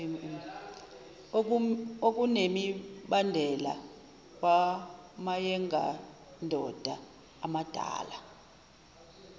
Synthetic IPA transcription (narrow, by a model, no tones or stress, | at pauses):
ok̬unemiɓandʱɛla̰ | k̬ʼwamajɛŋɡʱa̰ | ndʱɔd̥ʱaː | mad̥ʱa̰ːla